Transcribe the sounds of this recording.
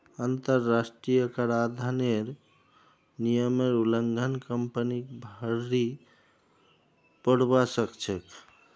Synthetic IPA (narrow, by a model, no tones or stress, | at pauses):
ant̪əɾːasʈɾijəkəɾad̪ʱaneɾ | nijəmeɾuləŋɡʱənkəmpənikbʱəɾːi | pəɽ̤basəkt͡ʃʰek